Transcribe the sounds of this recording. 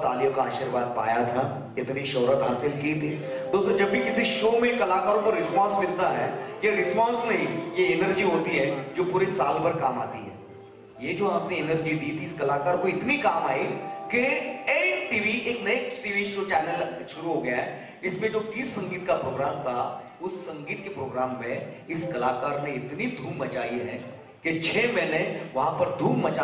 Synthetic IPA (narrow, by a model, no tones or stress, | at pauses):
t̪aːlijokaaːʃiɾʋaːd̪̚pa̰ːjat̪ʰa | ɪt̪niʃɔːɾət̪ɦaːsɪlkit̪ʰiː | d̪oːst̪ɾõd͡ʒɐbːikɪsiʃoːmẽkɐlaːkaːɾõkɐɾɾɪspãːnsmɪlt̪aɦɛːjeɾɪspãːnsnɐɦĩjeɪnəɾd͡ʒiɦoːt̪iɦɛd͡ʒoːpuːɾesaːlpɐɾkaːma̰ːt̪iɦɛ̰ː | jed͡ʒoːaːpneɪnəɾd͡ʒid̪iːt̪ʰiɪskɐlaːkaːɾkoɪt̪nikaːmaːikeeːʈiːʋieːknɐekt͡ʃʈiːʋiʃt͡ʃɛːnəlʃʊɾuɦoːɡɐjaɦɛ | ɪsmẽd͡ʒoːkisːɐ̃ŋɡiːt̪kapɾoːɡɾaːmt̪ʰa | ʊsːɐ̃ŋɡiːt̪̚kepɾoːɡɾaːmːẽ | ɪskɐlaːkaːɾnẽɪt̪nid̪ʱuːmmɐt͡ʃaːiɦɛː | ket͡ʃʰeːmɛ̃ːneʋɐɦãpɐɾd̪ʱuːmmɐt͡ʃa